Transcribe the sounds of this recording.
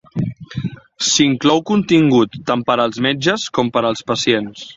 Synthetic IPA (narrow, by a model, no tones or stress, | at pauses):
siŋklɔwkunt̪iŋɡut̪ːampəɾəlˠzmɛd͡ʒəskɔmpəɾəlˠspəsjens